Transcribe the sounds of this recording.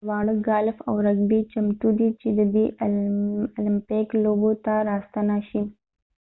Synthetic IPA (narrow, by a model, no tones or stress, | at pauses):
wɑɽəɡɑlfa̰wɾaɡbit͡ʃamt̪ud̪it͡ʃed̪əb̪eʔ | lɪmpeklobot̪aɾɑst̪anaʃi